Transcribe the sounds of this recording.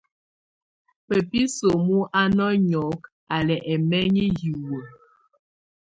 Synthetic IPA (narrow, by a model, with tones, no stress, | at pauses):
pɛ˨pi˦so˨mu˦ʔa˦nɔ˦ɲɔ˨˦k | a˨lɛ˨ʔɛ˨mɛ˦ɲi˦ju˨wo˨